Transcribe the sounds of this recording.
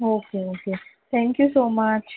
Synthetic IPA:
oːkeoːket̪ʰɛ̃ŋkjusoːmat͡ʃ

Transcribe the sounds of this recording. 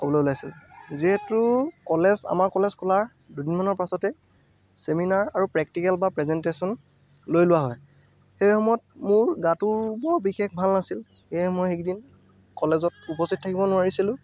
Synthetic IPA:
xɔbɔloʊlajsilziɦetʊkɔleza̰maɹkɔlezkʰɔlaɹ | dudinmanɔɹpasɔtɛ | seminaɹaɹupɹɛk̚tikɛlbapɹɛzɛntesɔn | lojlʊwaɦɔj | xejxɔmɔjɔt̚mʊɹɡatuɹbɔɹbixex̚bʱalnasil | xejmɔjxekdin | kɔlezɔtupɔstit̚tʰakibɔnʊaɹisilʊ̃

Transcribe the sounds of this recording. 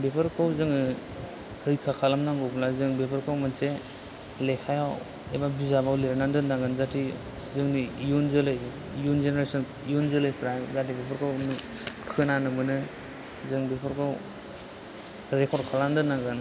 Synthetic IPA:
bepʰɯɾkʰɯwzɯŋɯ | ɾɯjkʰakʰalamnaŋɡɯblazɯŋbepʰɯɾkʰɯwmɯnse | lekʰajaw | ebabizabawleɾnandɯnːaŋɡɯnzatʰi | zɯŋnijunzɯlɯj | junzeneɾesɔn | ijunzɯlɯjpʰɾajɡatibepʰaɾkʰɯwnɯ | kʰɯnanɯmɯnɯ | zɯŋbepʰɔɾkʰɯw | ɾekʰɔɾkʰalandɯnaŋɡɯn

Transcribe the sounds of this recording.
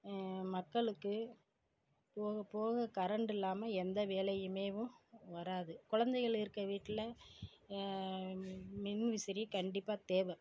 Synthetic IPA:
mɐkːɐɭɯkːɯ | poːɣɐpoːɣɐkɐɾɐɳɖɪlːaːmɐɛnd̪ɐʋeːlɐjɯmeːʋɯ̃ʋɐɾaːðɯkʊɻɐnd̪ɐɪɣɐɭɪɾɯkːɐʋiːʈːɪlɐ | mɪnʋɪsɪɾikɐɳɖɪpːaːt̪eːʋɐ

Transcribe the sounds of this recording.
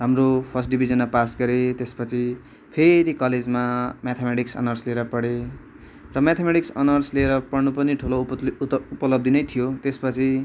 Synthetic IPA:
ɦamropʰʌs̬ʈɖibʱizʌnmapasɡʌɾet̪espʌt͡sʰi | pʰeɾikʌled͡zmamat̪ʰemeʈiksʌ̰nʌrsleeɾʌpʌɽe | rʌmat̪ʰemeʈiksʌ̰nʌrsleːɾʌpʌɽnupʌniʈʰulo | upʌlʌb̚d̪inʌjt̪ʰijot̪espʌt͡sʰi

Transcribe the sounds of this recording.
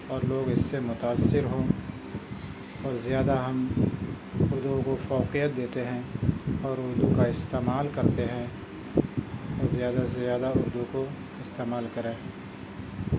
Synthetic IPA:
ɔːɾloːɡɪsːemʊt̪aːsːɪɾɦo | ɔːɾzjaːd̪aɦɐm | ʊɾd̪ukofɔːqijət̪̚d̪eːt̪eɦɛ̃ɔːɾʊɾd̪ukaɪst̪eːmaːlkɐɾt̪eɦɛ̃ | ɔːɾzjaːd̪asezjaːd̪aʊɾd̪uko | ɪst̪eːmaːlkɐɾẽː

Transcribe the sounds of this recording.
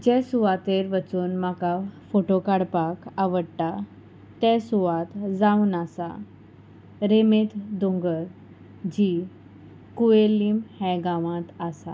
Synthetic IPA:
d͡ʑɛsuʋat̪eɾʋət͡suːnmakafoʈokaɽpakaʋəɽʈa | t̪ɛ̃suʋãt̪d͡zaunasa̰ | ɾemet̪d̪uŋɡəɾ | d͡ʑi | kuelːimhɛ̃ɡãʋãt̪asa̰

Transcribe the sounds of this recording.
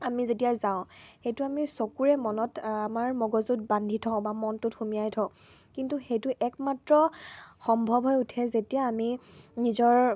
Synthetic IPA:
amizetijazaʊ̃xejtʊamisokuɹɛmɔnɔtamaɹmɔɡɔzut̚bandʱitʰɔʊ̃bamɔntʊtxumijajtʰɔʊ̃ | kintuxejtʊʔɛkmatɹɔxɔmbʱɔbʱɦɔjutʰɛzetijaːminizɔɹ

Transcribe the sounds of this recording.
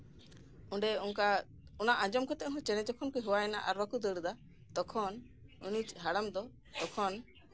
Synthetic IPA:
ũɖɛuŋka | unaʔãd͡ʒɔmkɔt̪ɛʔɦɔ̃t͡ʃɛnɛd͡ʒɔkʰɔnkɛɦuwaɛna̰ʔaɾbakud̪əɽd̪a | d̪ɔkʰɔn | unit͡ʃɦaɽamd̪ɔ | t̪ɔkʰɔn

